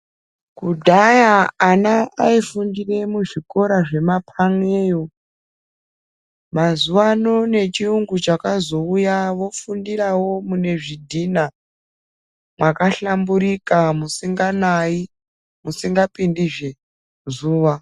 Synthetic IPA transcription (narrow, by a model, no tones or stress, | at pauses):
kudʱajaːnaaifundire̞muʐiko̞ɾaʐe̞mapʰaŋejo | mazuʋano̞ne̞t͡ʃiuŋɡut͡ʃakazo̞ujaʋo̞fundiɾawo̞mune̞ʐidʱina | mwakaɬambuɾikamusiŋɡanai | musiŋɡapindiʐe | zuːʋa